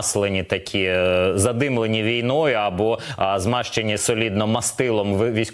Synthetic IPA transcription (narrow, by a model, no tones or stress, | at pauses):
slˠenʲit̪ɐkʲʰizɐd̪ɪmlˠenʲiʋʲijnɔjʊɐbɔzmɑʃt͡ʃenʲisɔlʲid̪nɔmɐst̪ɪlˠɔmʋʋʲisʲ